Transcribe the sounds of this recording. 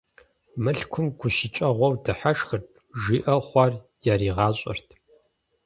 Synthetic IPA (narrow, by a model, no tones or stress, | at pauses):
mɨɬkʷʰʊmɡʷʊʃɪt͡ʃʼɐʁʷɔwdɨħaʂxɨrtʰʼ | ʐiːʔɐχʷɑr | jaɾiːʁɑːɕʼɐ̰rtʰ